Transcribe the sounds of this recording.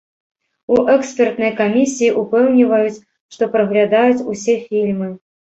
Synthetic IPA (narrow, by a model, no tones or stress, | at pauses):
uʔɛkspʲɛrt̪nɐjkamʲisʲijːʔupɛwnʲivɐjut͡sʲ | ʂt̪ɔpɾɐɣlʲad̪ajut͡sʲusʲɛfʲilʲmɨ